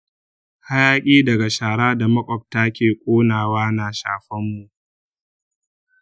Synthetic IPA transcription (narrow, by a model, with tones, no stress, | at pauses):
ha˦jaː˦kʲʼiː˦dɐ˨ɡa˨ʃaː˨ɽaː˦da˨mɐ˦kʷʼɔ˨p̚ta˦kʲeː˨kʷʼoː˦naː˨waː˦na˨ʃa̰ː˨ɸɐ˦mːu˨ʔ